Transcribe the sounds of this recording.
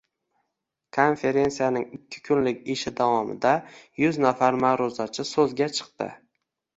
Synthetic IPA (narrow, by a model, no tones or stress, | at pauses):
kʰo̞nfe̞ɾe̞nsijanɪŋɪkʲʰːɪ̥kʰʊnlɪkʲeʃɪd̪avɒmɪ̰d̪ajʊznafaɾmaɾʊzat͡ʃʰɪsɵzɡʲat͡ʃʰɨ̥q̚t̪ɪ̰